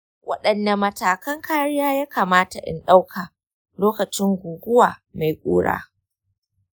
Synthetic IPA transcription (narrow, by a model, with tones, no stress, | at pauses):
wʔɐ̰˦ɗɐ˨nːɐ˨mɐ˨taː˨kɐ˦ŋkaː˦ɽɪ˦jaː˦jaː˦kaː˨maː˦ta˨ʔɪ̰˦nɗa˦wkʰaː˨ | loː˦kɐ˨t͡ʃɪ˦ŋɡʷʊ˨ɡʷʊ˦waː˨ma˨jkʷʼṵː˦ɽa̰ː˦